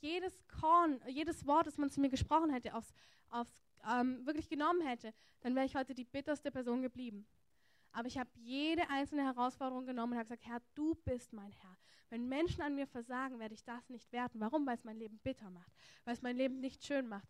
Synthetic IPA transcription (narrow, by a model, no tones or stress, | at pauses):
jeːɾəskʰɔɐnjeːdəsv̥ɔɐt̚d̥asmant͡sumiːɐɡəʃpʁ̥ɔχn̩ɦɛtəʔa̰ʊfs | ʔaʊfs | ʔɛːmvɪɐklɪçɡ̥ənɔmənhɛtə | d̥anvɛːʁəɪçhɔʏtədiːbɪtɐstəpʰɛɐzoːnɡəbliːbm̩ | ʔaːbɐɪçhaːbəjeːɾəʔaɪnt͡sl̩nəhɛʁ̞aʊsfɔɐɾəʁʊŋɡənɔmənʊnthaːbɡzaːk̚thɛɐd̥uːb̥ɪstmaɪnhɛɐvɛnmɛnʃn̩anmiːɐfɛɐzaːɡŋ̩veːɐɾəɪçd̥asnɪçtv̥eːɐdn̩vaʁ̞ʊmvaɪlsmaɪnleːbm̩bɪtʰɐmaχtvaɪlɛsmaɪnleːbm̩nɪçtʃøːnmaχt